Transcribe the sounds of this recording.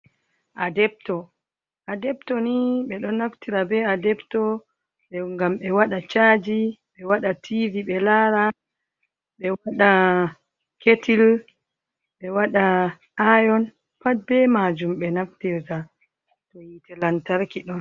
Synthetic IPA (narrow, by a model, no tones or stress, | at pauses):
ʔadɛp̚tɔ | ʔadɛptɔniɓɛɗɔnːaftiɾabɛadɛbtɔ | ɓɛŋɡamɓɛwaɗat͡ʃaːd͡ʒiɓɛwaɗatʰiviɓɛlaɾa | ɓɛwaɗa | ketʰil | ɓɛwaɗa | ajɔn | pat̚bɛmad͡ʒumɓɛnaftiɾta | tɔjitɛlantaɾkiɗɔn